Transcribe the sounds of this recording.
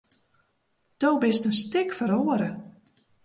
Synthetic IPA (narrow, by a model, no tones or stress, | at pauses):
d̥owbɪstənstɪkfəɾoːəɾə